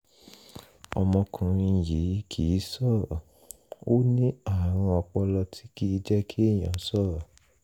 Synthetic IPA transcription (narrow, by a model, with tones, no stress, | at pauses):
ɔ˧mɔ̃˧kʰũ˨ɾ̃ĩ˧˨ji˨˦kʰi˨˦sɔ˦˨ | o˦nĩ˦a˦˨ɾ̃ɔ̃˧ɔ˧k͡pɔ˧lɔ˧tʰi˦ki˦d͡ʒɛ˦kʰi˦˨j̃ã˨˦sɔ˦˨